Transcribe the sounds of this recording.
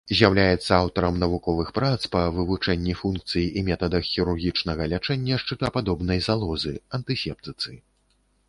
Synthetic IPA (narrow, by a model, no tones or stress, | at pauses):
zʲjawlʲajɛt̪sːɐawt̪ɐɾɐmnɐvukɔvɨxpɾat̪spɐvɨvut͡ʂɛnʲːifunk̚t̪sɨjiʔimʲɛt̪ɐd̪ɐxːʲiɾurɣʲit͡ʂnɐɣɐlʲat͡ʂɛnʲːɐʂt͡ʂɨt̪ɐpad̪ɔbn̪ɐjzalˠɔzɨɐnt̪ɨsʲɛp̚t̪ɨt̪sɨ